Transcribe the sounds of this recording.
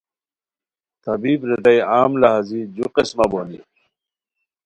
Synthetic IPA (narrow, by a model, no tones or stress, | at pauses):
t̪ɐbiːbɾed̪ɐjaːmlaɦazid͡ʑuqismɐboni